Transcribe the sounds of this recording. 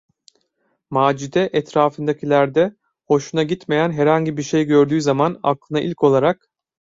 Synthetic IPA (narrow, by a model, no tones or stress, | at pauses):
maːd͡ʒid̪ɛʔɛt̪ɾaːfɯnd̪acʰilʲæɾd̪ɛ | ho̞ʃunaɟit̪me̞jænɦɛɾhaɲɟibiɾʃe̞jɟø̞ɾd̪yːzamana̰klˠɯnaʔilʲcʰo̞lˠaɾak